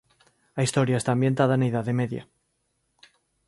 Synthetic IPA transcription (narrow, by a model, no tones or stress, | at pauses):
aist̪oɾjaest̪ambje̞nt̪að̞aneiðaðeme̞ðja̰